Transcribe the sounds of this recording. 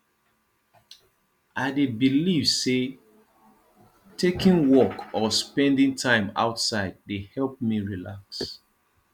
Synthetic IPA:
aɪdebiliv̥se | tʰekĩŋwɔkɔspɛ̃ndĩŋtʰãɪ̃ma̰ʊtsaɪd̚ːehɛlp̚miɹila̰ks

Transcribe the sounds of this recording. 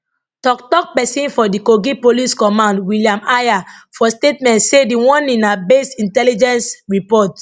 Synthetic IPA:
tɔktɔk̚pɛsĩnfɔdikoɡipoliskɔ̃mãndwiliãmajafɔstetmɛ̃ntsediwɔ̃nĩnabesĩntɛlid͡ʒɛ̃nsɹipɔt

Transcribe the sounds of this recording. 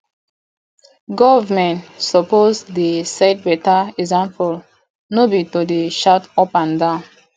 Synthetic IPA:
ɡɔvamɛ̃ntsɔpozdesɛt̚bɛtaɛɡzãmpɔl | nobitodeʃatɔpãndãʊ̃n

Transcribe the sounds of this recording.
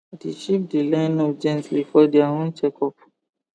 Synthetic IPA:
deʃipdilãnɔd͡ʒɛ̃ntbifɔdɛaɦõnt͡ʃɛkʰɔp̚

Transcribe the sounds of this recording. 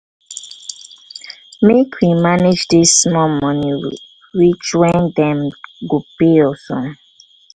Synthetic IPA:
mekʰwimaned͡ʒdisːmɔmɔni | wit͡ʃwɛ̃ndɛ̃mɡopeɔsɔ̃m

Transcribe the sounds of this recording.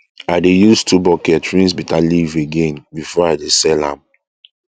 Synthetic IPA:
aɪdejustʰubɔkɛtɹĩsbitaliveɡẽnbifɔaɪdesɛlã̰m

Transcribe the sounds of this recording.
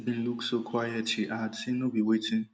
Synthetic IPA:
bɪ̃n̩luksokʰwajɛtʰiʔatʰĩnobiwetʰɪ̃ŋ

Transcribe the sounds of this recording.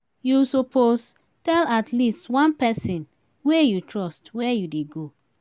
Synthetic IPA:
jusopʰoz | tɛlatʰlistwãnpɛsĩn | wejutʰɹɔstwɛjudeɡo

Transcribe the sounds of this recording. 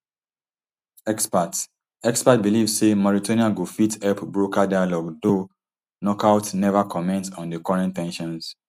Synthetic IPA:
ɛkspat | ɛkspat̚bilivssemɔɹitoniãɡufitɛpbɹokadajalɔɡdo | nɔkawtnɛvakʰɔmɛ̃ntɔ̃ndəkɔɹɛ̃ntɛ̃nʃɔ̃ns

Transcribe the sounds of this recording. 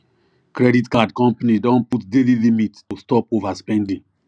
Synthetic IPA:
kɾɛditkadkɔ̃mpanidɔ̃nputdelilimittustɔpovaspɛ̃ndĩŋ

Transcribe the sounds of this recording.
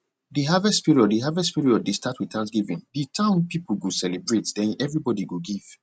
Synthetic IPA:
diɦavɛstpiɹiɔddiɦavɛstpiɹiɔd̚destʰatwitʰãnsɡivĩnditʰãʊ̃npipuɡusɛlebɹetdɛ̃nɛvɹibɔdiɡoɡiv̥

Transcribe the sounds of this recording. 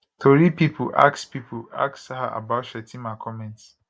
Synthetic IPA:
tʰoɾipipʰṵʔa̰kspipʰua̰ksaɦaʔa̰baʃɛtĩmakʰɔmɛ̃nts

